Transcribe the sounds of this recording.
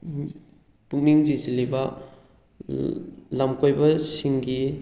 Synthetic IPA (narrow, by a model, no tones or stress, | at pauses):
puŋ̚niŋzisilibɐ | lamkojbɐsiŋɡi